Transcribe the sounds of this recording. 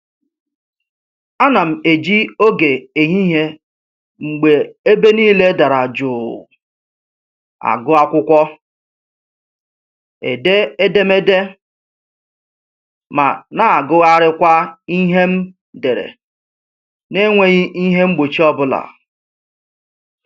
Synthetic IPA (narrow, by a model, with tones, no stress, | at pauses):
a˦na˨m̩˨e˨d͡ʒi˦o˦ɡe˨e˨ɦi˦ɦe˦ | ŋ͡m̩˨ɡ͡be˨e˦be˦niː˦le˦da˨ɾa˨d͡ʒʊ˨ | a̰˨ɡʊ˦a˦kʷʊ˦kʷɔ˦ | ḛ˨de˦e˦de˦me˦de˦ | ma̰˨na˨a˨ɡʊ˦ɣa˦ɾɪ˦kʷa˦i˦ɦe˦m̩˦ | de˨ɾḛ˨ | ne˦ŋʷe˦ɣɪ˦ʔi˦ɦe˦ŋ͡m̩˦ɡ͡bo˨t͡ʃi˦ɔ˦bʊ˦la̰˨